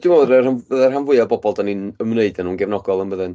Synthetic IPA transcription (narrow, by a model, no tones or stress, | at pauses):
d̥ɪmoɾərhaəðərɦanvʊɨabɔbɔlˠdanɨnəmneɨdanuːnɡɛvnɔɡɔlˠənbəðɨn